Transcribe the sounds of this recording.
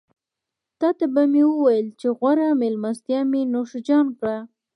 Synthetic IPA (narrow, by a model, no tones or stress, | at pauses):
t̪ɑt̪abamewəwajəlt͡ʃeɣwaɾamelmast̪jamenoʃd͡ʒɑnkɽa